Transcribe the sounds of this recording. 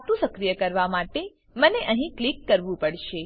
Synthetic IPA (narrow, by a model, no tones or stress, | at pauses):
t̪ũsəkɾijəkəɾʋamaʈe | məneʔəɦĩklikːəɾʋũpəɽʃe